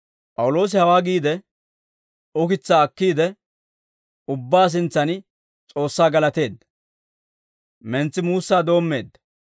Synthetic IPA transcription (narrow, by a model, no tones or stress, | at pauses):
pʼɐwʊlo̞ːs̬ɪhɐwaːɡiːd̪ɛ | ʊkɪt͡sːaːkːiːd̪ɛ | ʊbːaːs̬ɪnt͡sːɐn | t͡sʼo̞ːsːaːɡɐlɐt̪e̞ːd̪ːɐ̥ | mɛnt͡sːɪmuːsːaːd̪o̞ːmːe̞̰ːd̪ːɐ